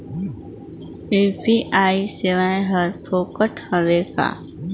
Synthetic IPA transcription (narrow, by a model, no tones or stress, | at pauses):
epiʔaːiseʋaːẽɦəɾpʰoːkəʈhəʋeːka̰